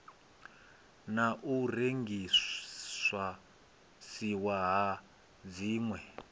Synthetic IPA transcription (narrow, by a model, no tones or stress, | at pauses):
naʔureŋɡiswa | siwaɦa | d͡ziːŋwɛ